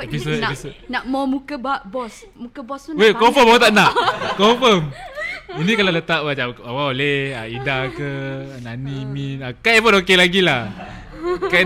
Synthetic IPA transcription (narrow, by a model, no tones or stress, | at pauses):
pisəisnaʔmɔmukəbaʔbɔs | mukəbɔswekɔfəmawat̪aʔnaʔkɔfəminĩkalalət̪aʔ̚wd͡ʒaawaoleaidakənaniminakaepənokelaɡila | ka